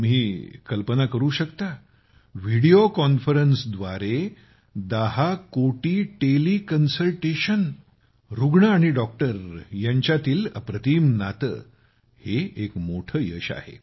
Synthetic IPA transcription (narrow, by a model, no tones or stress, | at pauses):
miːkəlpənakəɾuːɕəkt̪a | ʋiɽiokɔnfəɾənsd̪ʋaɾe | d̪əɦakoʈiːʈeliːkənsəlʈeɕən | ɾuɡɳaːɽ̃iɖɔk̚ʈəɾjaɲt͡ɕjat̪iːlə̰pɾət̪iːmnat̪ə̰ː | heekmoʈʰəːjəɕa̰hḛ